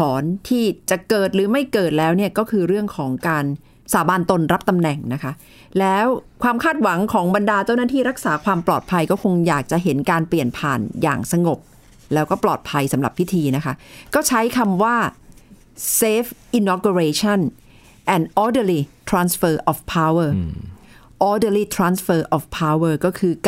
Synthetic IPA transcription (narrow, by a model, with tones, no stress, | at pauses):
ɔː˩˦nt̪ʰiː˥˩t͡ɕa˨˩ʔkɤː˨˩t̪̚ɾɯː˩˦ma˥˩jkɤː˨˩t̪̚lɛː˦˥wni˥˩ɐkɔː˥˩kʰɯː˧ɾɯ˥˩əŋkʰɔː˩˦ŋkaː˧n | saː˩˦baː˧nt̪o˧nɾa˦˥p̚t̪a˧mnɛ˨˩ŋna˦˥kʰa˦˥ | lɛː˦˥wkʰwaː˧mkʰaː˥˩t̪̚wa˩˦ŋkʰɔː˩˦ŋba˧ndaː˧t͡ɕa˥˩wnaː˥˩t̪ʰiː˥˩ɾa˦˥k̚saː˩˦kʰwaː˧mplɔː˨˩t̪̚pʰa˧jkɔː˥˩kʰo˧ŋjaː˨˩k̚t͡ɕa˨˩ʔɦe˩˦nkaː˧npli˨˩ənpʰaː˨˩nja̰ː˨˩ŋsa˧ŋo˨˩p̚ | lɛː˦˥wkɔː˥˩plɔː˨˩t̪̚pʰa˧jsa˩˦mɾa˨˩pʰːi˦˥t̪ʰiː˧na˦˥kʰa˦˥kɔː˥˩t͡ɕʰa˦˥jkʰa˧mwaː˥˩ | seː˦˥fʔi˧nɔː˧ku˧ɾeː˧t͡ɕʰa˥˩n | ʔɛː˨˩nʔɔː˧dəː˧li˧t̪ʰɾaː˧nsfɤː˧˩ʔɔː˨˩fpʰaː˧˥wə˥˩ | ʔɔː˧dəː˧liː˧t̪ʰɾaː˧nsfɤː˧˩ʔɔː˨˩fpʰaː˧˥wəː˥˩kɔː˥˩kʰɯː˧k